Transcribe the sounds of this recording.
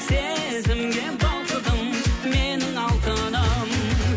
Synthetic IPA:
se | zɪmɡʲebɑlˠq̪əd̪əmmenɪŋɑlˠt̪əd̪ɑm

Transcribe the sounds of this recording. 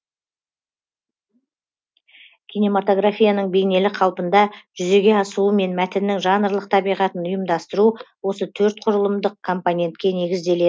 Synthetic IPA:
kʲʰine̞mat̪o̞ɡrafʲijanəɴbe̞jne̞lɪqʰɑlˠpənd̪ɑʒ̥ʏze̞ɡʲe̞ɑsuəme̞nmæt̪ɪnːɪŋʒɑnəɾlˠəq̚t̪ʰɑbijʁɑt̪ənʊjəmd̪ɑst̪əɾuwo̞sət̪ʰɵɾt̪̚qʰʊɾəlˠəmd̪əqkʰo̞mponʲe̞nt̪kʲe̞ne̞ɡʲɪzd̪e̞le

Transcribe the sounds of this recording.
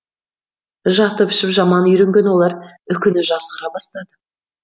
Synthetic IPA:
ʒɑt̪əpʏ̥ʃɪpʒɑmɑnʏjɾe̞ŋɡʲe̞nwo̞lˠɑɾʏkʲɪnɪʒɑsqəɾɑbɑst̪ɑd̪ə

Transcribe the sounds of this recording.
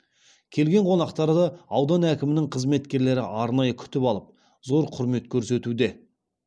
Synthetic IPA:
kʲʰe̞lɡʲe̞ɴqʰo̞nɑqt̪ɑɾd̪ɑɑwd̪ɑnækʲɪmɪnɪŋqʰəzme̞t̪kʲe̞ɾle̞ɾɪ̰ʔɑɾnɑjəkʲʰʏ̥t̪ɪpɑlˠəp̚ | zo̞ɾqʰʊɾme̞t̪kʲʰɵɾse̞t̪ud̪e̞

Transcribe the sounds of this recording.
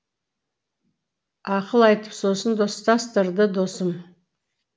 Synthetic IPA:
ɑqəlˠɑjt̪əpso̞sənd̪o̞st̪ɑst̪əɾd̪əd̪o̞səm

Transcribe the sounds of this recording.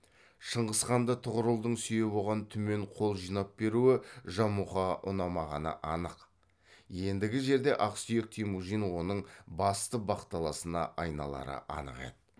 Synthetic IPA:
ʃəɴʁəsqɑnd̪ət̪ʰʊʁəɾəlˠd̪əɴsʏjɪbo̞lˠʁɑnt̪ʰʏme̞ɴqʰo̞lˠʒijnɑp̚be̞ɾuɪʒɑmuχɑʔʊnɑmɑʁɑnə̰ʔɑnəq | je̞nd̪ɪɡʲɪʒe̞ɾd̪e̞ʔɑqsʏje̞k̚t̪ʰijmuʒijnwo̞nəɴbɑst̪əbɑqt̪ɑlˠɑsənɑ̰ʔɑjnɑ̰lˠɑ̰ɾə̰ʔɑ̰nə̰qḛd̪ə

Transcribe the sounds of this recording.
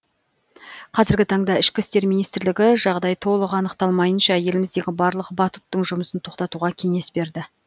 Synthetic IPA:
qʰɑzɪɾɡʲɪt̪ʰɑɴd̪ɑɪʃkʲɪst̪e̞ɾminijst̪ɪɾlɪɡʲɪʒɑʁd̪ɑjt̪ʰo̞lˠəʁɑnəqt̪ɑlˠmɑjənʃɑje̞lɪmɪzd̪e̞ɡʲɪbɑɾlˠəqbɑt̪ʊ̥t̪ːəɴʒʊməsənt̪ʰo̞qt̪ɑt̪uʁɑkʲʰe̞ŋe̞sbe̞ɾd̪ɪ

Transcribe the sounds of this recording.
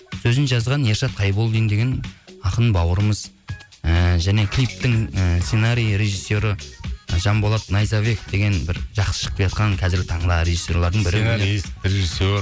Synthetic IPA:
sɵzɪnʒɑzʁɑnje̞ɾʃɑt̪̚qʰɑjbolˠd̪əjnd̪e̞ɡʲenɑqənbɑwəɾəməzəʒæne̞kʲʰlʲijp̚t̪ɪŋse̞naɾijɾe̞ʒisːo̞ɾəʒɑmbo̞lˠɑt̪nɑjsɑβe̞k̚d̪e̞ɡʲe̞nbɪɾʒɑqsə̥ʃə̥q̚pɑjɑt̪qɑŋkʲʰæzɪɾɡʲɪt̪ʰɑɴd̪ɑɾe̞ʒisːo̞ɾlˠɑɾd̪əɴbɪɾɪɾeʒiso

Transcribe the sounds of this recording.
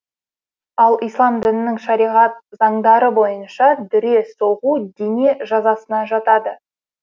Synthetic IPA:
ɑlˠijslˠɑmd̪ɪnɪnɪŋʃɑɾijʁɑt̪̚zɑɴd̪ɑɾəbo̞jənʃɑd̪ɪɾe̞soʁud̪ene̞ʒɑzɑsənɑʒɑt̪ɑd̪ə

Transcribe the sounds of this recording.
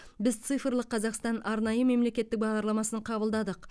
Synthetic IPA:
bɪzt̪sɨjfəɾlˠəqʰːɑzɑqst̪ɑnʔɑɾnɑjəme̞mle̞kʲe̞t̪ːɪk̚bɑʁd̪ɑɾlˠɑmɑsəɴqʰɑbəlˠd̪ɑd̪əq

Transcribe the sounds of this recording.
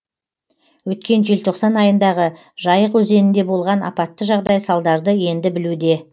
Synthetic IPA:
wɵt̪̚kʲe̞nʒe̞lt̪ʰo̞qsɑnɑjənd̪ɑʁə | ʒɑjəqwɵze̞nɪnd̪e̞bo̞lˠʁɑnɑ̰pɑt̪ːəʒɑʁd̪ɑjsɑlˠd̪ɑɾd̪əje̞nd̪ɪbɪlud̪e̞

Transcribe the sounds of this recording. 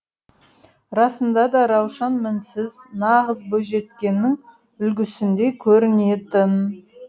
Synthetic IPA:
ɾɑsənd̪ɑd̪ɑɾɑwʃɑnmɪnsɪznɑʁəzbɵʒe̞t̪kʲe̞nːɪŋ | ʏlɡʲɪsɪnd̪e̞kʲʰɵɾɪne̞t̪ɪn

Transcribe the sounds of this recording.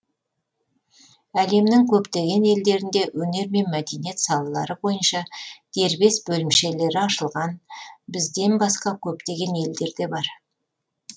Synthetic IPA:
æle̞mnɪŋkʲʰɵpt̪e̞ɡʲe̞ne̞ld̪e̞ɾɪnd̪e̞wɵne̞ɾme̞nmæd̪e̞nije̞t̪sɑlˠɑlˠɑ̰ɾəbo̞jənʃɑd̪̥e̞ɾbe̞sbɵlɪmʃe̞le̞ɾɪɑʃəlˠʁɑnbɪzd̪e̞nbɑsqɑkʲʰɵpt̪e̞ɡʲe̞ne̞ld̪e̞ɾd̪e̞bɑɾ

